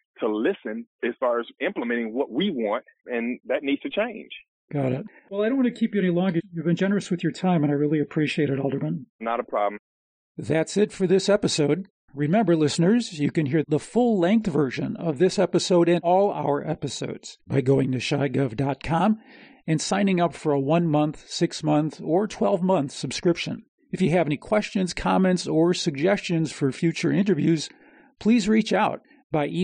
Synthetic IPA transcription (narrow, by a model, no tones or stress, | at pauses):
tʰəlɪsɨ̃nɨz̥fɑɹɨzɪ̃mpləmɛ̃ɾ̃ɪ̃ŋwʌt̚wiwɑ̃nt̚ɨ̃nðɨtⁿnidz̥tʰɨt͡ʃʰẽɪ̃nʒ̥ | ɡ̥ɑɾɪt̚wɛlˠaɪɾoʊ̃nwɑ̃nɨkʰipjɨɛnilɔ̃ŋɡə˞jɨvbɨ̃nd͡ʒɛnə˞ɨswɨðjə˞tʰãɪ̃mɨ̃naɪɹɪlˠiɨpʰɹ̥iʃieɪɾɨɾɔlˠdə˞mə̃nnəɾəpʰɹ̥ɑ̰bm̩ | ðætsɪtfə˞ðɪsɛpɨsoʊd̚ | ɹɨmɛ̃mbə˞lɪsnə˞zjɨkɨ̃nɦiɹðəfʊlˠlɛ̃ŋk̚θvɜ˞ʃɨ̰̃nʌ̰vðɪsɛpɨsoʊɾɨ̃nɔlˠa̰ʊə˞ʔɛpɨso̰ʊdz̥baɪɡoʊɪ̃ŋtɨʃaɪɡʌvdɑt̚kʰɑ̃m | ɨ̃nsãɪ̃nɪ̃ŋʌpfə˞əwʌ̃nmʌ̃nθsɪksmʌ̃nθə˞tʰw̥ɛlˠvmʌ̃nθsɨb̥skɹɪpʃɨ̰̃n | ɨfjɨːvɛnikʰw̥ɛst͡ʃɨ̃nz̥kʰɑmɛ̃ntsə˞sɨɡ̚d͡ʒɛst͡ʃɨ̃nz̥fə˞fjʉt͡ʃə˞ɪ̃ntə˞vjʉz̥ | pʰl̥izɹit͡ʃaʊt̚ | b̥aɪʔi